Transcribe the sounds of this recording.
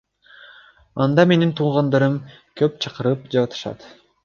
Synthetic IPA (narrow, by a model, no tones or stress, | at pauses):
ɑnd̪ɑme̞nint̪ʰuːʁɑnd̪ɑɾɯm | køp̚t͡ʃʰɑqɯɾɯp̚d͡ʒɑwɑt̪ʰɯ̥ʃɑ̰t̪